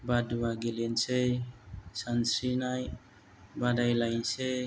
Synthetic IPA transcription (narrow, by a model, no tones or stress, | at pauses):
baduwaɡelense | sansinaj | badajlajnse